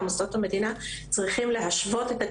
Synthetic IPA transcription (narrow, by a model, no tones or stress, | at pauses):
musotame̞d̪inat͡sʁiχimle̞ɦaʃvo̞t̪e̞t̪a